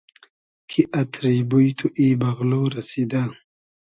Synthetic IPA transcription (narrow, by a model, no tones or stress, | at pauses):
kʰiʔat̪ʰɾibujt̪ʰuʔiːbaɣloɾasid̪a